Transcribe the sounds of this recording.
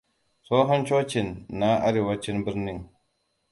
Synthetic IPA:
so˦ɦa˦nt͡ʃo˦t͡ʃi˨nːa˦a˦ɾi˨wa˦t͡ʃi˦nbi˦ɾni˦˨ŋ

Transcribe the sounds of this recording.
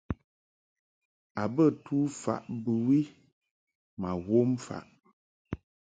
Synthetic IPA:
a˨bə˦˨tu˦fa̰˨ʔbɨ˨wi˦ | ma˨wo˦m˦fa̰˨ʔ

